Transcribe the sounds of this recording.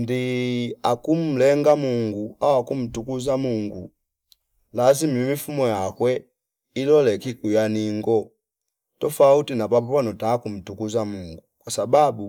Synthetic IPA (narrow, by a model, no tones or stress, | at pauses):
ndiakum̩lɛŋɡamuŋɡuawakum̩tukuzamuŋɡu | lazimimifumɔjakwɛ | ilɔlɛkikujaniŋɡɔ | tɔfautinapapɔpanɔtakum̩tukuzamuŋɡukwasababu